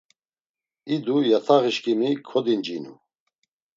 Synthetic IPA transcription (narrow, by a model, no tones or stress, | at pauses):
id̪ujat̪ʰaʁiʃkʼimikʰɔd̪ind͡ʒinṵ